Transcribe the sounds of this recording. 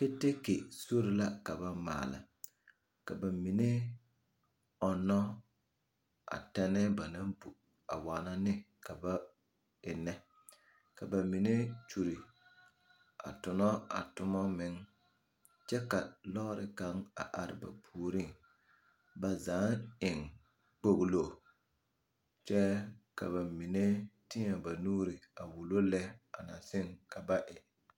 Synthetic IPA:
pe˦te˦ke˨so˦ɾɪ˨la˦ka˨ba˦ma̰ː˨lɪ̰˨ | ka˨ba˨mi˨ne˦ | ɔ˨nɔ˦ | a̰˨tɛ˦nɛ˦ba˨na˦mbu˨ | a˨waː˨na˦nɪ˦ | ka˨ba˦ | ɪ˨nɛ˦ | ka˨ba˨mi˨ne˦t͡ʃu˨ɾi˨ | a̰˨tʊ˨nɔ˦a̰˨tʊ˦mɔ˦mɪ˨˦ŋ | t͡ʃɛ˦ka˨lɔː˦ɾɪ̰˨ka˨˦ŋa̰˨ʔa˨ɾɪ̰˨ba̰˨pʰuː˨ɾi˦˨ŋ | ba˨zaː˨˦ɪ˨ŋ | k͡po˦ɣlo˨ | t͡ʃɛ˦ka̰˨βa˨mi˨ne˦tɪ˦a˨ba˨nuː˦ɾɪ˨a˨wu˨lo˦lɛ˦a˨na˨sɪ˦ŋka˨ba˦ʔɪ˨

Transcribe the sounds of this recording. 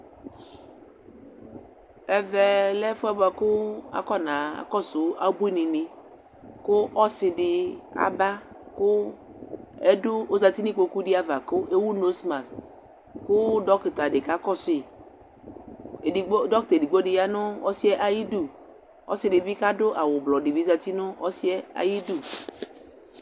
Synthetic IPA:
ɛ˨vɛ˨lɛ˦fʊ˦a˦ba˨kʊ˦a̰˨kɔ˦nã˨a̰˨kɔ˦sʊ˨a˨bu˦i˦nɪ˨mɪ̃˨ | kʊ˦ʔɔ˦sɪ˨dɪ˨a̰˨ba˦ | kʊ˦ | ɛ˦dʊ˦o˦za˨ti˦nĩ˦k͡po˨ku˦dɪ˦a˦va˨kʊ˦ʔe˦wu˦no˨˦sma˨s | kʊ˦dɔ˦kta˨dɪ˨ka˦kɔ˦sʊ˦e˨˦ | dɔ˦kte˨di˨ɡ͡bo˦dɪ˨ja˦nʊ˦ɔ˦si˦ɛ˦ʔa˨ji˦du˦˨ | ɔ̰˦sɪ˨dɪ˨bi˦ka˦dʊ˦ʔa˨wʊ˨blɔ˨dɪ˨vi˦za˨ti˦nʊ˦ɔ˦si˦ɛ˦a̰˨ji˦du˦˨

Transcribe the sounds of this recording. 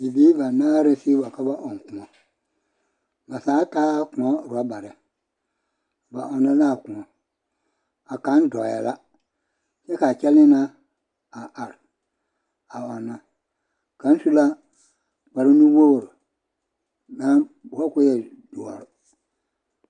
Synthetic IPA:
i˨bi˦ba˨naː˦ɾe˦si˦ba˨ka˦ba˦ʔɔ˨ŋ˨kũ˨ɔ˨ | ba˨saː˨˦kaː˦kũ˨ɔ˦˨ɾu˨a˦ba˨ɾɛ˨ | ba̰˨ʔɔ˨nːa˦la˦˨kũ˨ɔ˨ | a˨ka˨˦n˦dɔ˨ja̰˨la˦ | sɛ˦ka˨t͡ʃɛ˦lɪ˦na˦ | a˨ʔa˨ɾ | a˨ɔ˨na˨ | ka˨n˦su˦la˦ | ba˨ɾɪ˦nũ˦wo˦wɾ | nã˦bɔ˦ku˦jɛ˨ | d̥u˨ɔ̰˨ɾʊ˨

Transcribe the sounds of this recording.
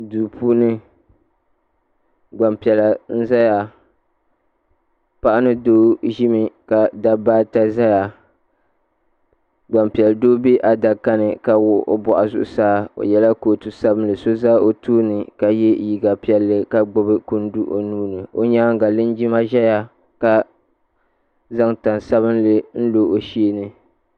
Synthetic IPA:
duː˨pʰuː˦nɨ˦ | ɡ͡ba˨mpi˨ɛ˨la˨n̩˦za˦ja˨ | pa˦ʔa˦nɨ˦doː˦ʒi˦mi˨ka˨da˨baː˦ta˦za˦ja˨ | ɡ͡ba˨mpi˨ɛ˨ldoː˦bi˦ʔa˨da˨ka˦nɨ˨ka˨wʊ˦ʔo̰˦bɔ˨ʔa˨zʊ̰˦ʔʊ˦saː˦o̰˨jɛ˨la˦koː˨tu˨sa˦bɨ˦nlɨ˨so˦za˦o˨tuː˦nɨ˨ka˨jɛ˦ji˨ɡa˨pi˨ɛ˨lːɨ˦ka˨ɡ͡bʊ˦bɨ˦ku˦n˦du˦ʔo̰˨nuː˦nɨ˨o̰˦ɲaː˦ŋ˦ɡa˨lɨ˦n˦d͡ʒi˦ma˦ʒɛ˦ja˨ | ka˦ | za˦ŋta˨n˨sa˦bɨ˦nlɨ˦n̩˦lo˨ʔo˨ʃi˦e˦nɨ˨

